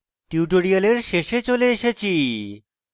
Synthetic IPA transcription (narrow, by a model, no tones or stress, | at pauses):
ʈiuʈoɽialeɾʃeʃet͡ɕoleeʃet͡ɕʰi